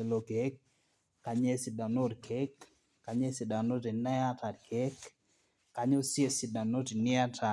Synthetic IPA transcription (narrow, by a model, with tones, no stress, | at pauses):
e˨lo˨ke˦kː | a˨ɲe˦sɪ˨da˨no˦dkʰe˦kː | a˨ɲe˦si˨da˨no˦ti˨na˦a˦ta˨dkʰe˦kː | a˨ɲo˦sje˦sɪ˨da˨no˦ti˨nɪ˦a˦tʰa˨